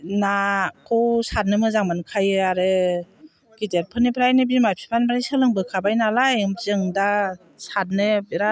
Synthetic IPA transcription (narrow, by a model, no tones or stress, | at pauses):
nakʰɯwsat̚nɯmɯzaŋmankʰajɯaɾɯ | ɡ̥iteɾ̚pʰɯnipʰɾajnɯbimajpʰi̥pʰanbaɾisɯlɯŋbɯkʰabajnalajzɯŋda | sat̚nɯbiɾa